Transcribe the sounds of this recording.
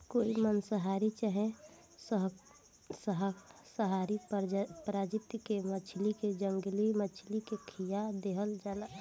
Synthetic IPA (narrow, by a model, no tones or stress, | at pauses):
koːimənsəɦaɾit͡ʃəɦẽ | sɦ | səɦ | səɦaɾipɾad͡ʒɪt̪ːkemət͡ʃʰliked͡ʒəŋɡlimət͡ʃʰlikekʰijad̪eɦəld͡ʒala